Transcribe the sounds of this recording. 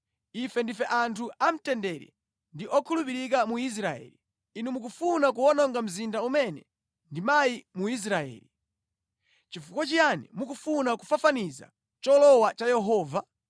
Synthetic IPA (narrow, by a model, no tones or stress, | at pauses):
ifɛndifɛʔantʰuʔam̩tɛndɛɾɛ̰ | ndiʔɔkʰulupiɾik̬amuis̬ɾaɛ̰li | inumuk̬ufunak̬uwɔnɔŋɡam̩zindaumɛnɛ | ndimajimuis̬ɾaɛ̰ːli | t͡ʃifukwat͡ʃianimukufunaku̥fafaniza̰ | t͡ʃɔlɔwat͡ʃajɛɦɔːva